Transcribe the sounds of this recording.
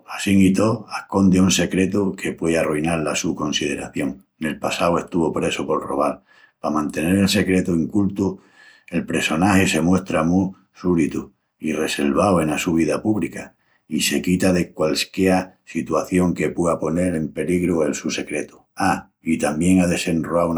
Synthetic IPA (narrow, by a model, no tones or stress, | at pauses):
asiŋit̪o̞ahko̞nd̪eunse̞kɾe̞t̪ukʰe̞pwearuinaɾlasuko̞nsið̞e̞ɾaθjõ̞ŋ | ne̞lpasawe̞st̪uβopɾe̞sopo̞lro̰β̞al | pamãnt̪e̞ne̞ɾe̞lse̞kɾe̞t̪uiŋkult̪u | e̞lpɾe̞so̞nahese̞mwe̞ht̪ɾamu | suɾit̪u | ire̞se̞lβawe̞nasuβ̞iðapuβlika | ise̞kit̪aðe̞kwalskjeasit̪waθjo̞ŋke̞pweapo̞ne̞ɾe̞mpe̞liɣɾue̞lsuse̞kɾe̞t̪u̥ | a | it̪ambje̞ŋaðe̞se̞nroa